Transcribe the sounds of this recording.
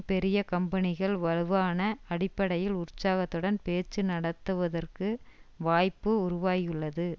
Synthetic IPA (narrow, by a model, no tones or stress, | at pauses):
pɛɾɪjɐkɐmbɐnɪɣɐɭʋɐɻɯʋaːnɐɐɽɪpːɐɽɐjɪlʊɾt͡ʃːaːɣɐt̪ːɯɽɐnpeːt͡ʃːɯnɐɽɐt̪ːɯʋɐðɐrkɯʋaːjpːɯʊɾʊʋaːjɯɭːɐðɯ